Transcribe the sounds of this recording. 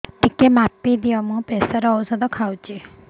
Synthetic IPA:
ʈikːemapːid̪iʋamũpɛsaɾɔsɔd̪ɔkʰawt͡ʃe

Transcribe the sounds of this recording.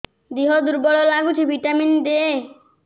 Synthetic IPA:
d̪iɦɔd̪uɾbɔɭɔlaɡut͡ʃʰibʱiʈamind̪e

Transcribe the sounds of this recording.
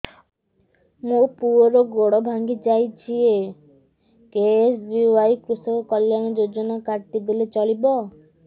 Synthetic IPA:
mupuɔɾɔɡoɽɔbʱaŋɡid͡ʒajt͡ʃʰie | kesbiajkɾusɔkɔkɔljanɔd͡ʒod͡ʒɔnakaɾt̪ib̪ilet͡ʃɔɭibɔ

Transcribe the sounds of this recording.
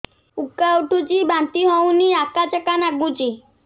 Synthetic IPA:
ukːauʈud͡ʒibant̪iɦɔwniakat͡ʃəkanaɡud͡ʒi

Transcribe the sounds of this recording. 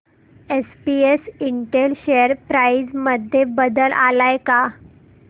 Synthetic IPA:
espiesiɳʈelɕejəɾpɾajd͡zməd̪ʱjebəd̪əlʔalajka

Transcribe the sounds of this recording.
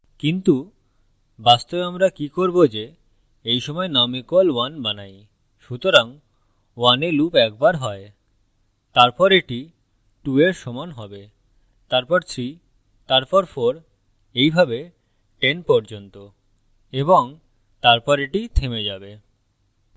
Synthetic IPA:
kint̪u | bast̪obeamɾakikoɾbod͡ʑe | ejʃɔmɔenamikolwanbanaj | ʃut̪oɾaŋ | wanelupɛk̚baɾɦɔe | t̪aɾpɔɾeʈi | ʈueɾʃɔmanɦɔbe | t̪aɾpɔɾt̪ʰɾi | t̪aɾpɔɾfɔɾ | ejbʱabe | ʈenpɔɾd͡ʑont̪o | eboŋ | t̪aɾpɔɾeʈit̪ʰemed͡ʑabe

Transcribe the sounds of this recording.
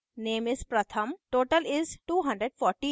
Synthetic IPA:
neːmɪzpɾɐt̪ʰəmʈoːʈəlɪzʈuːɦɐ̃ɳɖɾeɖfɔːɾʈi

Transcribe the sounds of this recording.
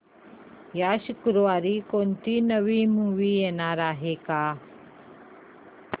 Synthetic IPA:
jaːʃukɾuʋaːɾikont̪inəʋiːmuːʋiːeːnaːɾaːɦekaː

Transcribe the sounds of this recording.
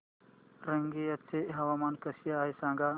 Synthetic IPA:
ɾɐŋɡeːɐt͡sʰːeʔɦɐʋaːmaːnkɐsijaːisãːŋɡaː

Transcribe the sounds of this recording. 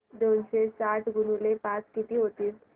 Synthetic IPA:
d̪onɕesaʈʰɡunulepat͡skit̪iːɦot̪iːs

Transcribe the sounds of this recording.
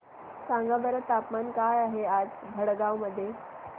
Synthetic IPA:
sãŋɡabəɾət̪apmankajaɦead͡z | bʱəɽɡaʋməd̪ʱːje

